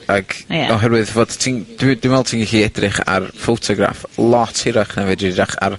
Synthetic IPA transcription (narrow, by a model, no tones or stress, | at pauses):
aɡ̥ɔɦɛɾwɨðvoːd̥tʰind̥wɪd̥wɪnvɛlˠtʰiːnɡiɬiɛdrɪχa̰rfowtʰɔɡra̰flˠɔtʰɪɾaχnɛvɛdɪɪɾaχa̰r